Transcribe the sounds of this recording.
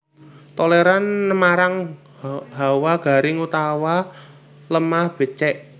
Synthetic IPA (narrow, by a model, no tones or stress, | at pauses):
t̪oleɾanmaɾaŋ | ɦawaɡ̥a̤ɾɪŋut̪awa | ləmahb̥ə̤t͡ʃɛʔ